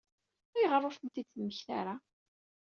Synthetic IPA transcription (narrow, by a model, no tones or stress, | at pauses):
æjʁəɾˤːofənt̪id̪t͡sːmːəçθa̰ɾa